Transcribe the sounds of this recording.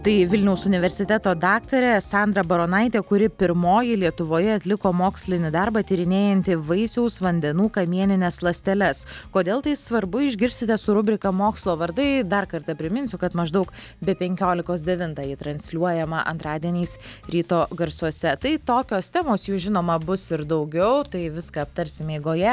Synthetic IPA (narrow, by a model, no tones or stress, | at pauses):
t̪ɐɪʋʲɪlʲnʲɛʊsʊnʲɪʋʲɛɾʲsʲɪt̪ʲæt̪oːd̪ɑːkt̪ɐɾʲɛsɑnd̪ɾɐbɐɾoːnɐɪt̪ʲeːkʊɾʲɪpʲɪɾmoːjɪlʲiɛt̪ʊʋoːjɛɐt̪ʲlʲɪkoːmoːksʲlʲɪnʲɪd̪ɐɾbɐt̪ʲiɾʲɪnʲeːjɛnʲt̪ʲɪʋɐɪsʲɛʊsʋɐnʲd̪ʲɛnuːkɐmʲiɛnʲɪnʲɛslˠɐsʲt̪ʲɛlʲɛskoːd̪ʲeːlˠt̪ɐɪsʋɐɾbʊɪʒʲɡʲɪɾʲsʲt̪ʲɪt̪ʲɛsʊɾʊbʲɾʲɪkɐmoːkslˠoːʋɐɾd̪ɐɪd̪ɐrkɐɾt̪ɐpʲɾʲɪmʲɪnʲsʲʊkɐt̪mɐʒd̪ɐʊkbʲɛpʲɛŋʲkʲoːlʲɪkoːsd̪ʲɛʋʲɪnt̪ɑːjɪt̪ɾɐnʲsʲlʲuɔjɛmɐʔɐ̰nt̪ɾɑːd̪ʲiɛnʲiːsɾʲiːt̪oːɡɐɾsuɔsʲɛt̪ɐɪt̪oːkʲoːst̪ʲæːmoːsjuːʒʲɪnoːmɐbʊsɪɾd̪ɐʊɡʲɛʊt̪ɐɪʋʲɪskɐɐpt̪ɐɾʲsʲɪmʲeːɡoːjɛ